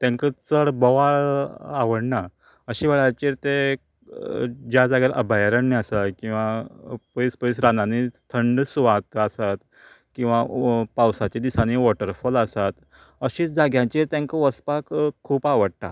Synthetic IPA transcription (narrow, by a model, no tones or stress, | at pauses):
t̪ãŋkət͡səɭbəʋaɭaʋəɽna | əɕiʋɛɭajt͡ɕiːɾt̪e | d͡ʑjad͡zaɡaɾʔə̰bʱajaɾənːiasakĩw̃ʋapəjspəis̬ɾananit̪ʰəɳɖsuʋat̪asat̪ | kĩw̃ʋapawsat͡ɕed̪isaniʋɔʈəɾfɔlasat̪ | əɕiːt͡sd͡zaɡjãt͡ɕiːɾt̪jãŋkəʋəspakkʰːuːpaʋəɽt̪a̰